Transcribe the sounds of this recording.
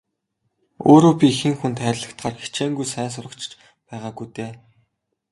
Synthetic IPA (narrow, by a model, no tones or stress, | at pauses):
o̰ːɾoːpʲixɘ̆ŋxunt̪χæːɾʲɮə̆kt̪χaːrxi̥t͡ɕʰeːŋɡujsæːns̬ʊrə̆kt͡ɕʰt͡ɕ | pæːʁaːɡujt̪eː